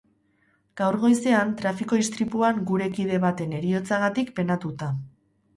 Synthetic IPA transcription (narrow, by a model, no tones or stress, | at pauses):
ɡ̥awɾɣo̞jse̞ant̪ɾafiko̞ist̪ɾipuaŋɡuɾe̞kið̞e̞β̞at̪e̞ne̞ɾio̞t͡saɣat̪ikpe̞nat̪ut̪a